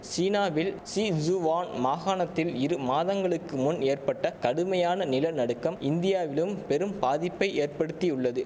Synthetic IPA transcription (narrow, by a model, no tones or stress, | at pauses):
siːnaːʋɪl | sid͡ʒuʋaːnmaːɣaːnɐt̪ːɪlɪɾɯmaːðɐŋɡɐɭɯkːɯmʊneːrpɐʈːɐkɐɽɯmɐjaːnɐnɪlɐnɐɽɯkːɐmɪnd̪ɪjaːʋɪlɯmpɛɾɯmpaːðɪpːɐɪʔeːrpɐɽɯt̪ːiʊɭːɐðɯ